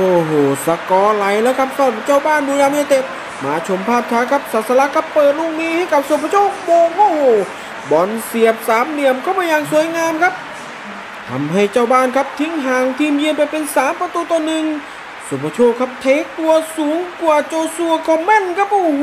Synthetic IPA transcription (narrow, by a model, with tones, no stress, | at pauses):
ʔoː˧˩ɦoː˨˩sa˧kɔː˧la˨˦jlɛː˦˥˩wkʰa˦˥p̚sɔː˧˩t̚t͡ɕaː˧˥˩wbaː˥˨nduː˧˦naː˧mja˧˩t̪e˧˩t̪̚ | maː˧t͡ɕʰo˧˦mpʰaː˥˩p̚t̪ʰaː˧˥kʰa˦˥p̚saː˨˩t̪̚sa˧la˧˥kʰa˦˧˥pːɤː˨˩t̪̚luː˧˥˩k̚miː˧˥˨ha˥˩jka˧˦p̚soː˧˦˩pʰa˧t͡ɕʰoː˥˩boː˧˩ʔoː˧˩hoː˧˩ | bɔː˨˩nsi˨˩əp̚saː˨˦mli˧˩əmkʰa˧˥˩wpaː˧jaː˧˩ŋsu˨˩˦əjŋaː˧mkʰa˦˥p̚ | t̪ʰa˧˦mɦa˧˥˩jt͡ɕaː˧˩wbaː˥˩nkʰa˦˥p̚t̪ʰi˧˦ŋɦaː˨˩ŋt̪ʰiː˧˥mji˧npa˨jpe˧nsaː˨˦mpa˧t̪uː˧˦t̪ːnɯ˧ŋ | so˨˩pʰa˧˥t͡ɕʰoː˧˩kʰa˦˥p̚t̪ʰeː˨˥t̪u˧ɐsuː˨˦ŋkwaː˧˩t͡ɕoː˧su˧ɐkʰɔː˧˦mɛ˧˥˨nkʰa˦˥p̚ʔoː˧